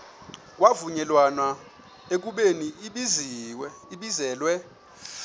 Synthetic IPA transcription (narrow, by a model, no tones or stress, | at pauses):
k̬ʼwavuɲɛlwanwa | ek̬uɓeniɓiziwiɓizɛːlwɛ